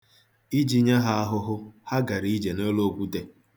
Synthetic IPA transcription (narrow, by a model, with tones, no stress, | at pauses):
i˦d͡ʒi˦ɲa˦ɦa˦a˦ɦʊ˦ɦʊ˦ha˦ɡa˨ɾi˦i˦d͡ʒe˨no˦lo˦kʷu˦te˦